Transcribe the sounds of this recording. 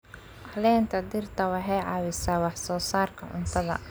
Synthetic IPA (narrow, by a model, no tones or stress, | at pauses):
ʔɑlɛːnt̪ʰɐd̪ɪrt̪ʰɐwɑħɛjʕɑwɪsaːwɑħsɔːsaːrkʰɐʕʊ̰nt̪ʰɐðɐ̰